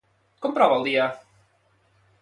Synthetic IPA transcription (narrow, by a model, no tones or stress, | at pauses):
kɔmpɾɔβəlˠd̪iə